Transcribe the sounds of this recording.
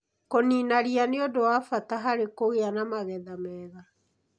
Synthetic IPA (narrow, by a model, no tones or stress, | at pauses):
koniːnaɾianeodowafataɦaɾekoɣeanamaɣɛðamɛːða